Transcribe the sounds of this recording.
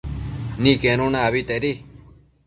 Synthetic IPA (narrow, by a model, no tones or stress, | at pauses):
nĩːkenõːnãəʋit̪eɾi